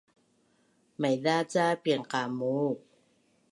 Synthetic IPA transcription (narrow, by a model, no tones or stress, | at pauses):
majdaːt͡ɕaːpiəŋkaːmuːk̚